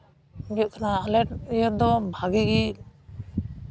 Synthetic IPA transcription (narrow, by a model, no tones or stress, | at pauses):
bjɔʔkʰanaːlɛʈjɔt̚d̪ɔbʱaɡiɡi